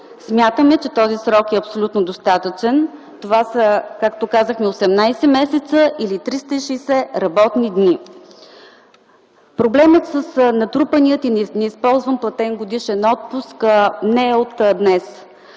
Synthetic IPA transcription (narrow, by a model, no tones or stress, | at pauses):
smʲjat̪əmɛt͡ʃɛt̪ɔzisɾɔkɛɐpsolʲut̪nod̪ost̪at̪ət͡ʃɛn | t̪ovasəkakt̪okazəxmɛosɛmnajsɛmɛsɛt̪səʔilit̪ɾist̪əiʃɛisɛɾɐbɔt̪nid̪ni | pɾoblɛmət̪səsnɐt̪ɾupənijət̪inɛnɛispɔlˠzvəmplˠɐt̪ɛnɡod̪iʃɛnɔt̪̚pusknɛot̪d̪nɛs